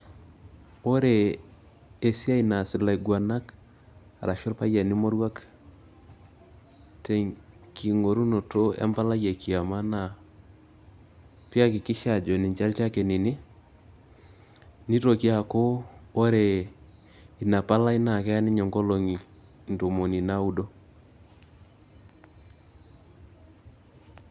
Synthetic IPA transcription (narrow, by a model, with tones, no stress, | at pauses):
o˦ɾe˨ | e˨si˦a˦i˨na˨sɪ˨la˨i˨ɡwa˨na˦k | a˨ɾa˨fo˦lpa˦ja˨ni˦mo˦ɾwa˦k | te˨ŋ | ki˨ŋo˨ɾu˦no˨to˦a̰˦mpa˦la˦ja˨ki˨a˨ma˦na˨ | pi˦a˦kɪ˨kɪ˦ʃa˨d͡ʒo˨ni˨ɲt͡ʃa˦lt͡ʃa˦ke˨ni˨ni˦ | ni˦to˨ki˦a˨ko˦o˦ɾe˨ | i˨na˨pa˦la˦i˦na˨kɛ˦a˦nɪ˦ɲɔ˨ŋɡo˦lo˨ŋi˨ | n˨to˨mo˨ni˨na˦u˦do˦